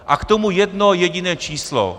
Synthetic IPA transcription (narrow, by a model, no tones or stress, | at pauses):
ʔakt̪omujɛdnojɛɟɪnɛːt͡ʃiːslo̰